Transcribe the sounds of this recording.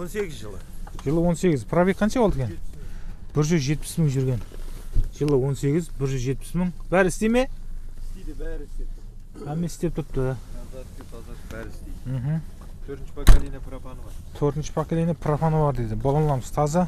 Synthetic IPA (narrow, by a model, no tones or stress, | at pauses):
wnseɡʲɪzʒəlˠəʒəlˠəwo̞nse̞ɡʲɪzpʰrobʲejkqʰːɑnʃɑbolˠd̪ekʲʰen | b̥ɪɾʒʏzʒe̞t̪̚pɪ̥sməŋʒʏɾɡʲe̞nʒəlˠəwo̞nse̞ɡʲɪzbɪɾʒʏzʒe̞t̪̚pɪ̥sməŋbæɾɪɪst̪eme̞ | æmesɪ̥st̪e̞p̚t̪ʰʊɾp̪t̪ːə | ɾst̪em̩ɦm̩ | t̪ʰɵɾt̪nt͡ʃpklinpfnt̪ʰɵɾt̪ənʃə̥pʰaklinapʰrofonəbɑɾd̪ed̪ɪbolˠɑnlˠɑməzt̪ʰɑzə